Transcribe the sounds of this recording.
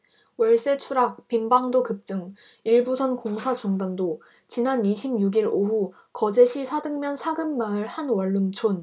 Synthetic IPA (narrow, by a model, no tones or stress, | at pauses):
wʌɭs͈e̞t͡ɕʰuɾak̚pimbaŋdokɯp̚t͡ɕ͈ɯŋ | iɭbusʰʌnkoŋsʰat͡ɕuŋdando | t͡ɕinaniɕʰimjuɡiɾoɸu | kʌd͡ʑe̞ɕʰisʰadɯŋmjʌnsʰaɡɯmːaɯɭhanwʌɭːumt͡ɕʰon